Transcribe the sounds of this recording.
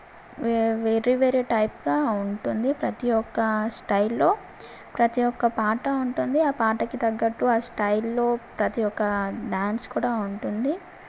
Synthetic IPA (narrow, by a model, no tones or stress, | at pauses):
eʋeɾiʋeɾiʈɐjpɡaːuɳʈund̪ipɾɐt̪ijɔkːɐsʈɐjlːo̞ː | pɾɐt̪ijɔkːɐpaːʈɐuɳʈund̪iaːpaːʈɐkid̪ɐɡːɐʈːuaːsʈɐjllo̞ːpɾɐt̪ijɔkːɐɖaːnskuːɽaːuɳʈund̪i